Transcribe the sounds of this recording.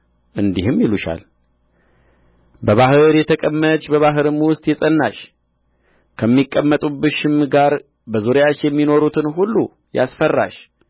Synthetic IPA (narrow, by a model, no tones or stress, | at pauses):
ʔɨnd̪ihɨmjiluʃa̰l | bəβahɨɾjɛt̪ʰəkʼəmːət͡ʃʼbəβaɦɨɾɨmwʊst̪ʼjɛsʼənːaʃ | kʰəmːikʼːəmːət̪ʼubɨʃɪmɡaɾ | bəzuɾejat͡ʃjɛmːino̞ɾut̪ʰɨnɦulːu | ja̰sfərːa̰ʃ